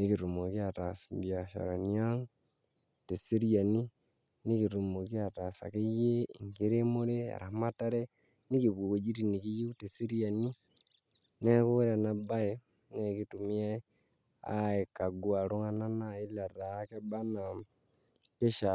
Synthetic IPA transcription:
ni˦ki˨ɾu˨mo˨ki˦a˨ta˨smbja˨ʃa̰˨ɾa˨ni˦a˦ŋ | te˨se˦ɾi˦a˨ni˦ | ni˦ki˨ɾu˨mo˨ki˦a˨ta˨sa̰˨ke˦je˦i˨ŋɡe˦ɾe˦mo˦ɾe˦a̰˨ɾa˨ma˦ta˦ɾe˦ | ni˦ki˨βwo˨ko˨d͡ʒi˦ɾi˨ni˨ki˦ji˦te˨se˦ɾi˦a˨ni˦ | ne˦ko˦ɾa˨na˨ba˦e˦ | ne˨ki˦tu˨mi˦a˦ | a̰˦e˨ka˨ɡu˦a˨ɾo˦ŋa˦na˦na˦i˦la˨ɾa˨˦ke˦ba˦na˨ | ke˦ʃa˨

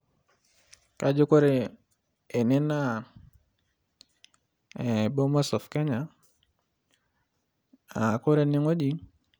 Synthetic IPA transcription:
ka˦d͡ʒu˦ko˦ɾe˨ | e˨ne˦na˦˨ | e˨bo˦ma˦sɔ˨fke˦ɲa˨ | a˨ko˦ɾe˦ni˦ŋo˦d͡ʒi˦

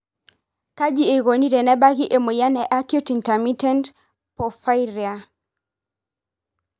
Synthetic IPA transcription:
ka˦d͡ʒi˦e˨ɣo˨ni˦ɾɛ˨nɛ˦ba˦ɣi˦ʔe˨mo˨ja˦nɛ˨ʔa˦kju˦ti˨ntɛ˨mi˦tɛ˦nt | pɔ˨fa˦iɾi˨a˨

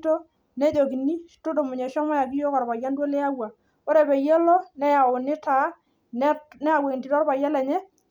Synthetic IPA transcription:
to˦ | ne˦d͡ʒo˨ki˨ni˦tʊ˦do˨mʊ˨ɲe˨ʃɔ˦mɔ˦ja˨k̬i˦jo˦kɔ˨ɾba˨ja˦ndwo˦le˦a˦wa˨ | o˦ɾe˨be˨je˦lɔ˦nɛ˦ja˨wʊ˨nɪ˦ta˨˦ | n˦nɛ˦a˨we˨ŋ˨ti˨tɔ˦ɾba˨ja˦lɛ˨ɲɛ˦

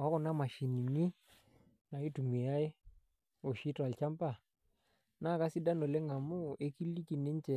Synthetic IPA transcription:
a˦kɔ˦˨na˦ma˨ʃi˨ni˨ni˦ | na˨i˦tu˨me˨ja˦e˦ | o˨ʃi˦ta˨lt͡ʃa˦mpa˦˨ | na˦˨ka˦si˦da˦no˨le˦ŋa˨mu˦e˦ki˦li˦ki˨ne˦n˦t͡ʃɛ˨

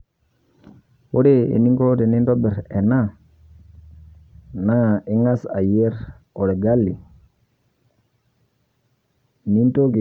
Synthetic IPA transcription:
wo˦ɾe˦ḛ˨ni˦ŋko˦te˨ni˦nto˦be˨ɾe˨na˦ | na˦˨i˦ŋa˦sa˨je˦ɾ | o˨ɾe˨ɡa˦lːi˨ | ni˦nto˦ki˨

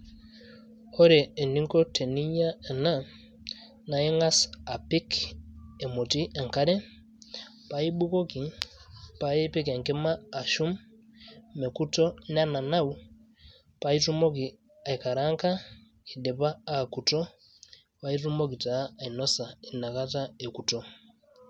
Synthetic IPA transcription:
ɔ˦ɾɛː˨ni˦ŋkɔ˦tʰɛ˨ni˦ɲa˦ɛ˨na˦˨ | na˨i˦ŋa˦sa˨pi˦k | ɛ˨mo˨ti˦ɛ˨ŋka˦ɾɛ˦ | pa˨˦i˦ɓu˦kɔ˦ki˨pa˦jɛ˦pɛ˦kɛ˨ŋkɛ˦maː˦˨ʃu˦mː | ɛ˨ku˦tɔ˦n˦a˦na˨na˦u˦ | pa˦i˦tu˦mɔ˦ki˨ | a˨i˨ka˨ɾa˦ŋka˦ | i˨dɛ˨paː˦˨ku˨tɔ˦ | pa˦i˦tu˦mo˦k̬i˨taː˨˦˨i˨nɔ˦sa˨i˨na˨ka˦ta˦e˨ku˨tɔ˦

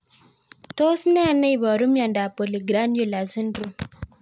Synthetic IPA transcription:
to˦snɛ˦a˨nə˦i˨βɔ˨ɾu˦mja˨nda˨po˨li˨ɡɾa˦njo˨la˨zi˦ndɾu˦m

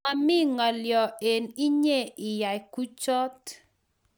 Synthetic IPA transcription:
a˨mɪ˦ŋa˨ljɔ˨e˨ni˦ɲe˦˨ɪ˨ja˨jku˦t͡ʃɔ˦t

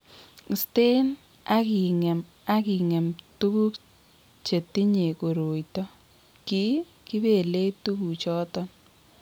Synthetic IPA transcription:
ste˦n | a˦ki˨ŋɛ˨m | a˦ki˨ŋɛ˨mtu˦bu˦k | t͡ʃe˨ti˦ɲe˨ko˨ɾo˨jtɔ˦ | ki˦ | ki˦be˨le˦tu˦ku˨t͡ʃɔ˦tɔ˦n

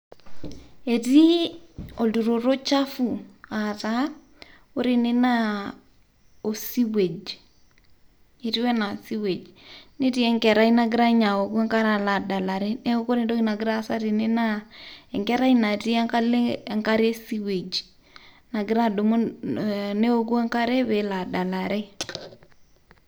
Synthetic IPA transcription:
e˨di˦ɔ˨ldu˨ɾo˨ɾo˦t͡ʃa˦fu˨a˨ta˦ | o˦ɾi˦ne˦na˦ | o˨si˦we˨d͡ʒ | e˨ɾi˦wɛ˦na˨si˦we˨d͡ʒnɪ˦ti˦ɛ˦ŋkɛ˨ɾa˦i˦na˨ɡɪ˦ɾa˦ɲa˨o˨ku˦ɛ˦ŋka˦ɾa˨la˨da˨la˨ɾe˦nɛ˦o˦ko˦ɾɪ˦do˦ki˦na˨ɡɪ˦ɾa˦sa˦ɾi˨ne˦na˦ɛ˨ŋkɛ˦ɾa˦i˦na˨ti˦ɛ˦ŋka˦le˦˨ŋka˦ɾe˦si˦we˨d͡ʒ | na˨ɡɪ˦ɾa˦do˨mo˦ | ne˦o˦k̬u˦ɛ˦ŋka˦ɾe˦βe˨la˨da˨la˨ɾe˦

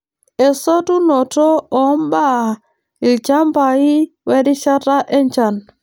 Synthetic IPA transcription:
e˨so˦tu˦nɔ˨tɔ˦ɔ˨˦mba˦ | i˨ld͡ʒa˦mba˨i˦ | wɛ˦di˦ʃa˦ta˦ʔɛ˦ɲt͡ʃa˨n

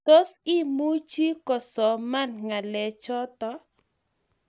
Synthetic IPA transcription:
to˦si˦mu˦t͡ʃi˦kɔ˨sɔ˨ma˦nŋa˨lɛ˨t͡ʃɔ˦t̪ɔ˦

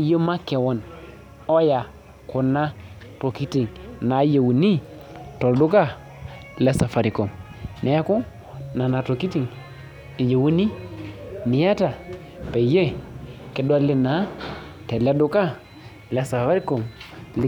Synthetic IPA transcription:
je˦ma˦kɛ˨wɔ˦n | o˦ja˨ | ku˨na˦ | to˨ki˦ti˨ŋna˨˦je˨wu˨ni˦ | to˨ldu˦ka˦ | le˦sa˨fa˨ɾi˨ko˨m | ne˨a˦ku˦ | na˨na˨to˨ki˦ti˦˨ŋ | i˨je˨wu˦ni˦ | ni˨ja˦ta˨ | pe˨je˦kɛ˨dwa˦li˦na˨˦ | tɛ˨le˦du˦ka˦ | le˨sa˨fa˦ɾi˦ko˨ml

